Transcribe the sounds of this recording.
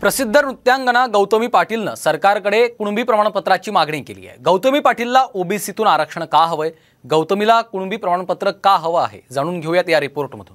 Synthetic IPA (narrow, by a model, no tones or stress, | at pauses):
pɾəsid̪ʱːəɾut̪ːjãŋɡəɽ̃aɡəwt̪əmiːpaʈiːlnə̰səɾkaɾkəɽekuɳ̃biːpɾəmaɳpət̪ɾat͡ɕiːmaɡɳẽkelḭjḛɡəwt̪əmiːpaʈʰiːlːaʔobisit̪uːnaɾəkʂəɳ̃kaɦəʋəj | ɡəwt̪əmilakuɳ̃biːpɾəmaɽ̃pət̪ɾəkaɦəʋəa̰ɦḛd͡zaɽ̃uːnɡʱeʋjat̪jaɾipoɾʈm̤əd̪ʱuːn